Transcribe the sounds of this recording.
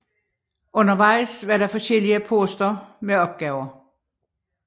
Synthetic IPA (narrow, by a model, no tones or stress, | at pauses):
ɔ̽nɐʋɑ̈ɪ̰sʋɑɐɾɑ̈fɒ̽sɡ̥el̰iəpʰo̝sd̥ɐmeɒ̽b̥̚ɡ̥ɛːʊɐ